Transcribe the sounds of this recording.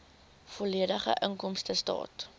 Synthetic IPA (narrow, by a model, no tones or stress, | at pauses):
fɔliədəχə̰ʔəŋkɔmstəstɑ̰ːt